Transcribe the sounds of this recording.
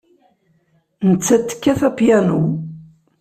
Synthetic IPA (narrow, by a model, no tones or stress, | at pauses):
nət͡sːæt̪ːə̥kːæθæpjænu